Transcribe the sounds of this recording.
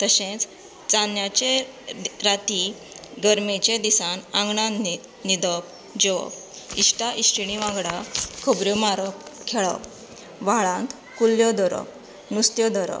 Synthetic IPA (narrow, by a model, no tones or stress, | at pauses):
t̪əɕẽt͡s | t͡sanjat͡ɕe | ɾat̪i | ɡəɾmet͡ɕẽd̪isãnãŋɡɳã | nid̪əp | d͡ʑeʋə̰p | iɕʈaʔiɕʈiɽiʋãɡɽakʰəbɾjumaɾəp̚kʰeɭə̰p | ʋaɭãnt̪ | kulːjɔd̪əɾə̰p | nust̪jɔd̪əɾə̰